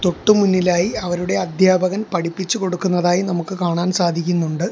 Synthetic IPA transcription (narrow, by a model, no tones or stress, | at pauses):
t̪o̞ʈːumunːilaːjiɐʋɐɾuɽe̞ɐd̪ʱjaːbʱɐɣɐnpɐɽipːit͡ɕːuko̞ɽukːunːɐðaːjinɐmukːɨkaːɳaːnsaːd̪ʱikʲːunːuɳɖɨ